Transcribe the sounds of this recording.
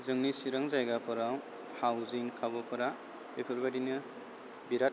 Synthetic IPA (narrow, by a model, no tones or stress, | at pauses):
zɯŋnisiɾaŋzajɡapʰɯɾaw | hawzinkʰabɔpʰɯɾa | ekʰɯɾbadinɯ | biɾat̚